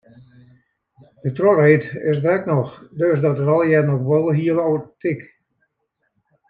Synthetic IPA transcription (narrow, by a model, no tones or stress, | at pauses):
d̥ətroreːtɪsdɛknɔxdøsdɔtərɔlˠjɛnoxʋɔlˠɦiəlowətɪk